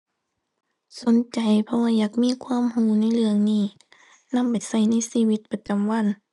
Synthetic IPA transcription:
so˨˦nt͡ɕa˨˩jpʰɔ˧waː˧jaː˨˩k̚miː˧˥˨kʰwaː˧˥˨mhuː˧˩na˧˥˨jlɯ˧əŋniː˧˥˩ | na˧˥˨mpa˨˩jsa˧˩jna˧˥˨jsiː˧˥˨wi˧t̪̚pa˧t͡ɕa˨mwa˧˥˨n

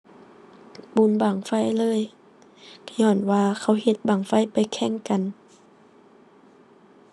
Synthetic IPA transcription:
bu˧˦nbaː˨˩ŋfa˧˥˨jlɤː˧˥˨j | kʰa˧ɲɔː˧˩nwaː˧kʰa˧˩whe˧˦t̪̚baː˨˩ŋfa˧˥˨jpa˨jkʰɛ˧˩˨ŋka˨n

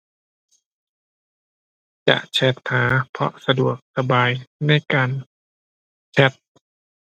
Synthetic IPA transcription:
t͡ɕa̰˨˩ʔt͡ɕʰɛ˧˥t̪̚haː˩˦pʰɔ̰˧ʔsa˧du˨˩ək̚sa˧baː˧jna˧˥˩jkaː˧n | t͡ɕʰɛ˧˥t̪̚

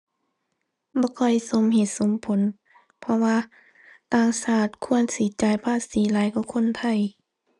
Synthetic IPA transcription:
bɔː˧˦kʰɔ˧˩jso˧˦mɦe˧˦t̪̚so˨˦mpʰo˨˦n | pʰɔ˧waː˧ | t̪aː˧˨ŋsaː˧˩t̪̚kʰu˧˥˨ənsiː˨˦t͡ɕaː˨˦jpʰaː˧˥˨siː˨˦laː˨˦jkɔː˧˦kʰo˧˥˨nt̪ʰa˧˩˨j

